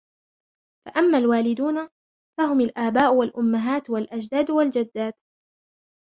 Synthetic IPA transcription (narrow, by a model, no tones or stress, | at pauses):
faʔamːaːlwaːlɪd̪uːna | faɦʊmalʔaːbaːʔʊwalʔʊmːaɦaːt̪walʔad͡ʒd̪aːd̪wald͡ʒad̪ːaːt̪